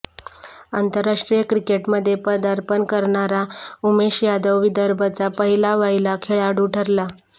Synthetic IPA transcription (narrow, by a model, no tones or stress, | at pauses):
ant̪əɾːaʂʈɾijəkɾikeʈməd̪ʱːjepəd̪əɾpənkəɾɳaɾaumeɕjad̪əwʋid̪əɾbʱat͡sapəɦilaʋailakʰeɭaɽuʈʰəɾla